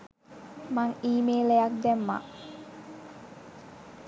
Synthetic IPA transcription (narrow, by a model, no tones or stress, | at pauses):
maŋiːmeːlejak̚d̪ɛmːa̰ʔ